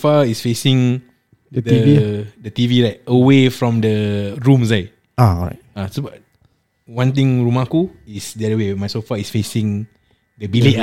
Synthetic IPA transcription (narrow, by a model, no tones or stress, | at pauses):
faisfesĩŋ | ədidət̪ivilaɪk̚əwefɹɔ̃mdəɹũmslaɪk̚ | aɹa̰ | asoba | wãnt̪̬ĩŋɹumakuisdɛdəwemajsofaisfesĩŋ | dəbileʔ